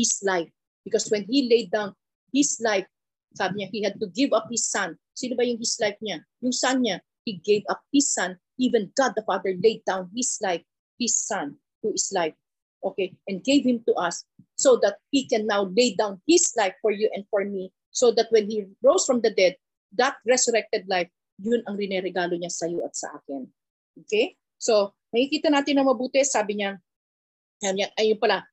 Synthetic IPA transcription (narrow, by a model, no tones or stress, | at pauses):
hɪslaɪf | b̥ɪkɔswɛ̃nhilejd̪̚ãw̃n | hɪslajf | saːbɪɲahihad̪̚t̪ʊɡɪvʌp̚hɪsːɐ̃n | sinobɐjʊŋhɪslajfɲa | jʊŋsanɲa | hiɡejvʌp̚hɪsːɐ̃n | ʔivɛ̃nɡad̪̚ɐfad̪əɹlejd̪̚ãwnhɪslajf | hɪsːɐ̃n | t̪uhɪslajf | ʔokejʔɛ̃nd̚ɡejvhɪ̃mt̪uʔɐsː | od̪ɐt̪̚hikɛnːawlejd̪ãwnhɪslajfːɔɹjuʔɛ̃nd̪fɔɹmi | sod̪ɐt̪̚wɛ̃nhiɹowsfɹɐmd̪ɐd̪ɛd̪̚ | d̪ɐt̪̚ɹɛsʊɾɛk̚t̪ɛd̪̚lajf | jʊnɐŋɾɪnɛɾɛɡaːloɲasɐjoʔɐt̪̚sɐ̰ʔa̰ːkɪn | ʔokej | so | nɐkikiːt̪ɐnaːt̪ɪnːɐŋmɐbuːt̪ɛsaːbɪɲa | ɐɐmɲaʔɐjʊnpɐla